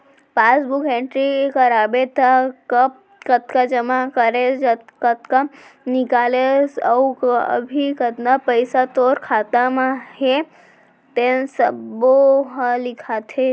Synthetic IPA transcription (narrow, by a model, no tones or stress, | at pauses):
pasbukeɳʈɾikəɾabet̪akəp̚ | kət̪kad͡ʒəmakəɾed͡ʒkət̪ka | nɪkalesəuə̰bʱikət̪napəjsat̪oɾkʰat̪amãɦe | t̪ensəboɦalɪkʰat̪ʰe